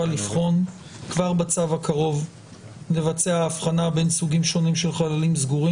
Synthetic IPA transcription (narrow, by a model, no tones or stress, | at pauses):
alifχo̞n | kvaʁbat͡savakaʁo̞v | le̞vat͡seaːfχanabe̞nsuɡimʃo̞nimʃe̞lχalalimzɡuʁi